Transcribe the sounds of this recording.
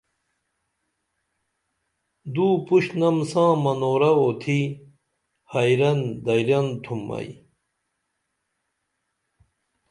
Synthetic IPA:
d̪uːpuɕnɐmsãːmɐnoːɾɐot̪ʰi | hɐjɾɐnd̪ɐjɾɐnt̪ʰumːɐ̰j

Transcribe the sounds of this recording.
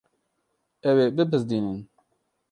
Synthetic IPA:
ɛweːbɨbɨzd̪iːnɨn

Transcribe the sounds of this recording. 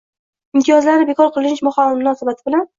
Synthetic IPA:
ɪmt̪ʰɪjɒzlaɾɪbekʰɒɾqʰɨlˠɪnt͡ʃmʊχaɪmʊnɒsabat̪ʰɪ̥bɪlan

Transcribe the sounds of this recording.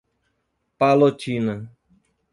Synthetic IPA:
palot͡ʃinə

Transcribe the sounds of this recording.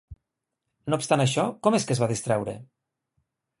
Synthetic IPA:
noupst̪anaʃɔkɔmeskəzβaðist̪ɾɛwɾḛ

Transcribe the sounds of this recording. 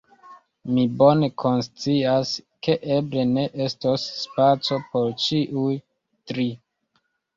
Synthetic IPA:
mibo̞ne̞kʰo̞nst͡siaske̞ʔeble̞ne̞ʔe̞stosːpat͡so̞po̞ɾt͡ʃiʔuj | tɾi

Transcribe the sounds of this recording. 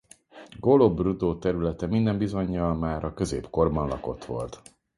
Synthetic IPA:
ɡo̞lobrud̪oːt̪ɛɾylɛt̪ɛmind̪ɛmbizo̞ɲːɒlmaːɾʔɒkø̞zḛːpko̞rbɒnlɒ̰ko̞t̪ʋo̞̰lt̪

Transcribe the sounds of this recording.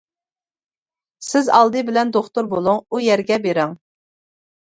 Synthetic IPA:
sɪzɑ̰lˠd̪ɨbɪlɛnd̪oχt̪uɾbolˠuŋujɛɾɡʲɛbeɾɪŋ

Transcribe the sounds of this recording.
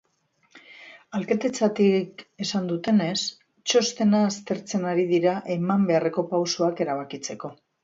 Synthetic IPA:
alket̪et͡sat̪ike̞sand̪ut̪e̞ne̞s | t͡ʃo̞st̪e̞naːst̪e̞ɾt͡se̞naɾið̞iɾaʔe̞mambe̞are̞ko̞pawsoake̞ɾaβ̞akit͡se̞ko̞

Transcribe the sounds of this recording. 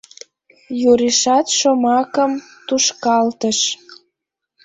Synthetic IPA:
juɾiʃɑt̪ʃomɑkəm | t̪uʃkɑlt̪əʃ

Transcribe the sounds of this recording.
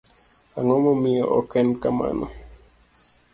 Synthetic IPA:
aŋomomioʔɔkɛnkama̰no

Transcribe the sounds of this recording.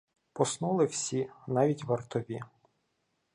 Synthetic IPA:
pɔsnulˠɪwsʲinɑʋʲitʲʋɐrt̪ɔʋʲi

